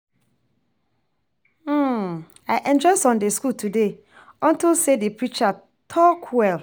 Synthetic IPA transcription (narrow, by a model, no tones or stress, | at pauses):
aɪʔɛ̃nd͡ʒɔɪsɔ̃ndeskultʰude | ɔ̃ntilsedepɹit͡ʃa | tʰɔkʰwɛl